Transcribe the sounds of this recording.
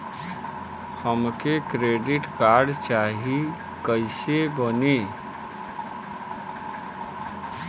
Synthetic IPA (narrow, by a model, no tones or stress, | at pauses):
həmkekɾeɖiʈkaɾɖt͡ʃaɦi | kəɪsebəne